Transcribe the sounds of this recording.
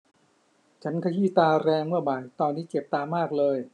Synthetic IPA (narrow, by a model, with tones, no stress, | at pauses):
t͡ɕʰa˦˥nkʰa˧jiː˥˩t̪aː˧ɾɛː˧ŋmɯ˥˩ɐbaː˨˩jt̪ɔː˧nːiː˦˥t͡ɕe˨˩p̚t̪aː˧maː˥˩k̚lɤː˧j